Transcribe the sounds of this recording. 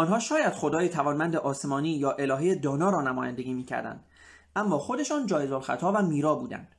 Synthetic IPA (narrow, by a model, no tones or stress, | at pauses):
ɒːnɦɒːʃɒːjæd̪̥χo̞d̪ɒːjet̪ʰævɒːnmænd̪eʔɒːse̞mɒːniːjɒːʔe̞lɒːɦejed̪ɒːnɒːɾɒːnæmɒːjænd̪e̞ɡʲiːmiːcʰæ̰ɾd̪æ̰nd̪̥ | ʔæmːɒːxo̞d̪e̞ʃɒːnd͡ʒɒːje̞zolxæ̰t̪ʰɒːvæmiːɾɒːbuːd̪æ̰nd̪̥